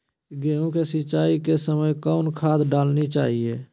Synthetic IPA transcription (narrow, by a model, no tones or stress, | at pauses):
ɡeũkesit͡ʃaːikesəməjkɔʊnkʰaːd̪ɖaːlnit͡ʃa̰ːɦie